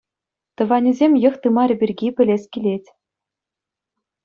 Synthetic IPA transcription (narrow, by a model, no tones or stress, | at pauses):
t̪ɤ̆ʋɑnʲĭzʲemʲjɤ̆χt̪ɯmɑrʲɘ̆bʲirʲɡʲipʲɘ̆lʲesʲkʲilʲetʲ